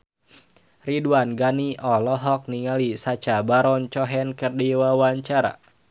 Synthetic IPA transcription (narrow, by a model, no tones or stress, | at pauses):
riduanɡaniʔɔlɔɦɔk̚niŋalisat͡ʃabaɾɔnt͡ʃɔɦɛnkərdiwawaɲt͡ʃaɾa̰